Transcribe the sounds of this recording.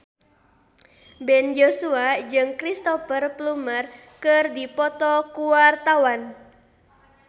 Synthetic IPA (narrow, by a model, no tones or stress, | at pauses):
bɛnd͡ʒosuad͡ʒɨŋkɾist̪ɔfərplumər | kɨrdipɔt̪ɔkuwart̪awan